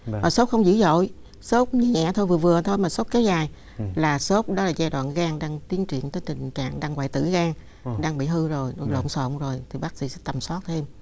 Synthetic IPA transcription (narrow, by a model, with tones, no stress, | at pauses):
maː˨˩so˦˥k͡p̚xə˧wŋ͡mzɨ̰˧˥zo̰˧˨j | so˦˥t̚ɲ˨ɛ̰˧˨t̪ʰo˧jvɨ˨˩əvɨ˨˩ə˨t̪ʰo˧jmaː˨˩so˦˥k͡p̚ke˨˦wzaː˨˩j | laː˨˩so˦˥t̚ɗɔ˨˦laː˨˩zaː˧jɗwa̰ː˧˨nɣaː˧ŋɗaː˧ŋt̪i˨˦ənt͡ɕwḭ˧˨ənt̪əː˨˦jt̪ï˨˩ŋ̟t͡ɕa̰ː˧˨ŋɗaː˧ŋwa̰ː˧˨jt̪ɨ̰˧˩ɣaː˧ŋ | ɗaː˧ŋɓḭ˧˨ɦɨ˧zo˨˩jlo̰˧˨nso̰˧˨nzo˨˩jt̪ʰi˨˩ɓaː˦˥k̚sḭ˧˥sɛ̰˧˦t̪ə˨˩msɔ˦˥t̚t̪ʰe˧m